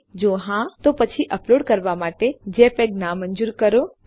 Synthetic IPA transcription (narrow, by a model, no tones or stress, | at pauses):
d͡ʒoːɦãt̪opət͡ʃʰiʔəploːɖkəɾʋamaːʈed͡ʒepeɡnamə̃ɲd͡ʒuːɾkəɾo